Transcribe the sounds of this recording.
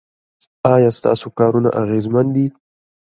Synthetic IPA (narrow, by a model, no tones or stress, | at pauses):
ɑjɑːst̪ɑ̰sokɑɾuna̰ʔaɣezmand̪i